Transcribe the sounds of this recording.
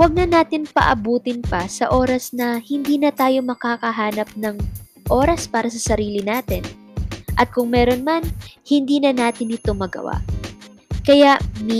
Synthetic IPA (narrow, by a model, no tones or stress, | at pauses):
wɐɡ̚nɐnaːt̪ɪnpɐ̰ʔɐbuːt̪ɪnpɐsɐʔo̞ːɾɐsnɐhɪnd̪iːnɐt̪aːjo̞mɐkaːkɐɦaːnɐp̚nɐŋ | ʔoːɾɐspaːɾɐsɐsɐɾiːlɪnaːt̪ɪn | ʔɐt̪̚kʊŋmɛːɾo̞nmɐnhɪnd̪iːnɐnaːt̪ɪnɪt̪omɐɡɐ̰wa̰ | kɐjaʔm